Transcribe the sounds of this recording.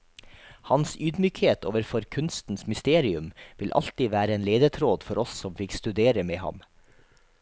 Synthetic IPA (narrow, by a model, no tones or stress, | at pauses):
hɑnsyːd̪myːkheːt̪ʰo̰ːʋəɾfɔɾkʰʉnst̪n̩smʏst̪eːɾɪʉmʋɪlʔɑ̰lt̪iːʋæːɾəeːnleːd̪ət̪ʰɾoːd̪fɔɾɔssɔmfɪkst̪ʉd̪eːɾəmeːhɑ̰m